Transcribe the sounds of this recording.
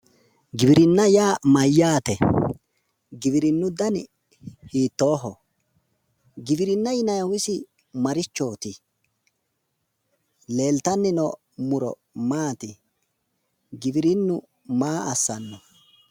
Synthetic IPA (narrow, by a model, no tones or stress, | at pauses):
ɡɪbɪɾɪnːɐjaːmɐjːaːt̪ɛ | ɡɪbɪɾɪnːʊd̪ɐn | hiːt̪ːoːɦɔ | ɡɪbɪɾɪnːɐjɪnɐjwɪsɪ | mɐɾɪt͡ʃːoːt̪ɪ | le̞ːlt̪ɐnːɪnɔ | mʊɾɔ̰ | maːt̪ɪ | ɡɪbɪɾɪnːʊ | maːɐsːɐnːɔ